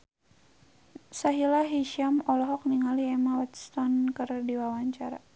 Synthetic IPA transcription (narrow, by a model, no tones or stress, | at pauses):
saɦilaɦiʃamɔlɔɦɔk̚niŋaliɛmawat̪st̪ɔnkərdiwawaɲt͡ʃaɾa